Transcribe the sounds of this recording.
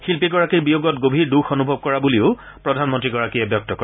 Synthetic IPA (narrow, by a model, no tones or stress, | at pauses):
xilpiɡɔɹakiɹbijoɡɔtɡobʱiɹduxonubʱɔb̚kɔɹabuliʊ | pɹɔdʱanmɔntɹiɡɔɹakiɛbjɔk̚tɔkɔ